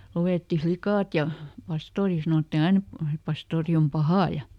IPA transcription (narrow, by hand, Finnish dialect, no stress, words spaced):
luetːi flikɑˑt jɑ pɑstoːri sɑnotːin ɑin et pɑstoːri om pɑhɑˑ jɑ